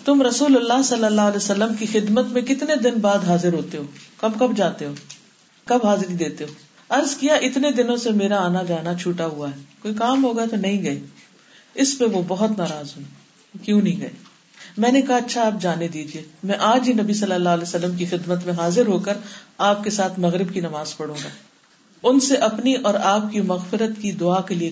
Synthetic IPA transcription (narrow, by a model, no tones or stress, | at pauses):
t̪ʊmɾɐsuːləlːaːɦsɐlːəlːaːəlɛːsəlːəmkixɪd̪mət̪mẽkɪt̪ned̪ɪnbaːd̪ɦaːzɪɾɦoːt̪eɦoːkɐbkɐbd͡ʒaːt̪eɦoː | kɐbɦaːzɾid̪eːt̪eɦoː | ɐɾzkijaʔɪt̪ned̪ɪnõsemeːɾaaːnad͡ʒaːnat͡ʃʰuːʈaɦuaɦɛːkoːikaːmɦoːɡəat̪onɐɦĩɡɐeː | ɪspẽʋobɐɦʊt̪naːɾaːzɦõː | kjũːnɐɦĩɡɐeː | mɛ̃ːnekɐɦaɐtːʃʰaːp̚d͡ʒaːned̪iːd͡ʒieːmɛ̃ʔaːd͡ʒɦinɐbisɐlːəlːaːɦlɛːsəlːəmk̬ixɪd̪mət̪mẽɦaːzɪɾɦoːkəɾaːp̚kesaːt̪ʰmɐɣɾɪbkinɐmaːzpɐɽ̤ũːŋɡaː | ʊnseʔɐpniʔɔːɾaːp̚kimɐɣfɪɾət̪kid̪ʊaːkelie